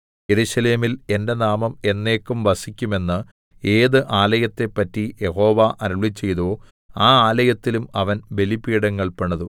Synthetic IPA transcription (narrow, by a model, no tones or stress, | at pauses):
je̞ɾuɕɐle̞ːmile̞nde̞naːmɐme̞nːe̞ːkːumʋɐsikʲːume̞nːɨ | e̞ːðɨʔaːlɐjɐt̪ːe̞pːɐtːije̞ho̞ːʋɐʔɐɾɐɭit͡ɕːe̞jt̪oː | aːaːlɐjɐt̪ːilumɐʋɐnbe̞lipiːɽɐŋːɐɭpeɳɐðu